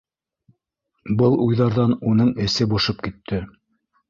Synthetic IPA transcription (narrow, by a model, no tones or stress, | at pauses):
bɤlˠujðɑɾðɑnunɤɴɘ̆sɘbŏʃɤp̚kit̪ʰːɘ